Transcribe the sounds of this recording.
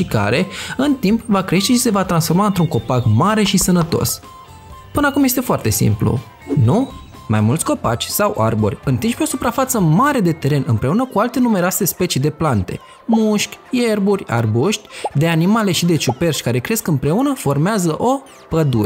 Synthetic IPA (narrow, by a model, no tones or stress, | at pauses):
ʃika̰ɾe̞ɨnt̪impvakɾe̞ʃt̪e̞ʃise̞vat̪ɾansfo̞rmaɨnt̪ɾuŋko̞pakmaɾe̞ʃisənət̪o̞̰s | pɨnəakumje̞st̪e̞foart̪e̞sḭmplṵ | nu | ma̰jmult̪sʲko̞pa̰t͡ʃʲsawʔa̰rbo̞rʲɨnt̪int͡ʃpeo̞supɾafat̪səmaɾe̞d̪e̞t̪e̞ɾe̞nɨmpɾe̞unəkualt̪e̞nume̞ɾoase̞spe̞t͡ʃid̪e̞plant̪e̞̰ | muʃkʲje̞rburʲa̰rbuʃt̪ʲd̪e̞animale̞ʃid̪e̞t͡ʃupe̞rʃkaɾe̞kɾe̞skɨmpɾe̞unəfo̞rmeazəʔo̞ | pəd̪uɾ